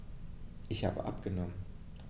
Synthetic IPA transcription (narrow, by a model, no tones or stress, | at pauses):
ʔɪçha̰ːbə̰ʔa̰pɡ̥ənɔmən